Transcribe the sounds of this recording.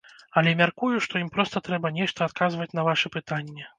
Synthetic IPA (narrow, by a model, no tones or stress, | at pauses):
ɐlʲɛmʲarkujuʂt̪ɔjimpɾɔst̪ɐt̪ɾɛbɐnʲɛʂt̪ɐːt̪̚kazvɐt͡sʲnɐvaʂɛpɨt̪anʲːɛ